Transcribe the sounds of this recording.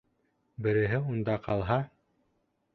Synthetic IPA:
bɘ̆ɾɘ̆ɦɘund̪ɑqʰɑlˠɦɑ

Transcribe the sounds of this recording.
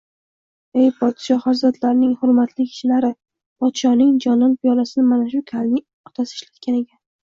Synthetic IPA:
e̞jpʰɒt̪ʰɪ̥ʃɒhaɾzɒd̪laɾnɪŋhʊɾmat̪ʰlɪkʲʰɪ̥ʃɪlaɾɪ | pʰɒt̪ʃɒnɪŋd͡ʒɒnɒnpʰijɒlasɪnɪmanaʃʊkʲʰalnɪ | ɒt̪ʰasɪːʃlat̪̚kʲane̞kʲʰan

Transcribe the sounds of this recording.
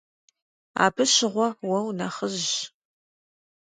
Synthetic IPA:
a̰ːbʰɨɕɪʁʷɔwɐwnɐχəʑ

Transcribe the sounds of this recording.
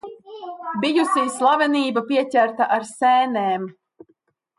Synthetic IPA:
bijusiːslˠavɛniːbapiɛcʲæɾt̪aʔaɾsɛːneɛːm

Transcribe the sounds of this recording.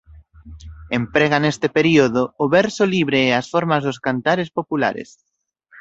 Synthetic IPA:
empɾɛɣanest̪epeɾioðʊʊβɛɾsoliβɾeːasfɔɾmazðʊskant̪aɾespopula̰ɾḛs

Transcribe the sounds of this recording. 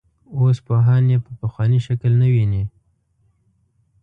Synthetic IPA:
ospoɦɑnjepəpəxwɑniʃaklnawini

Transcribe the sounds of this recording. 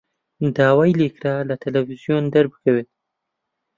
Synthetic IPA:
d̪ɑːwajilekɾalat̪ʰalafizjond̪aɾbɨkaweːt̪̚

